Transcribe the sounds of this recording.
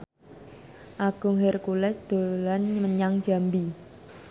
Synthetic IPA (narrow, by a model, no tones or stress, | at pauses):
ʔaɡ̥ʊ̤ŋɦerkulɛsd̪̥o̤lanɲməɲaŋ̥d͡ʒ̥a̤mbi